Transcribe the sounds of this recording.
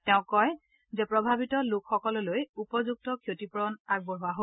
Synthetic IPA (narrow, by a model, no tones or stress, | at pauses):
tɛʊ̃kːɔj | zɛpɹɔbʱabitɔlokxɔkɔlɔlojupɔzuk̚tɔkʰjotipɔɹɔnaɡ̚bɔɦʊaɦo